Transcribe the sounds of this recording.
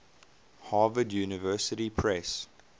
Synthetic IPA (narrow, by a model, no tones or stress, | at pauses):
hɑːvədjuːnɪvɜsətipʰɹɛs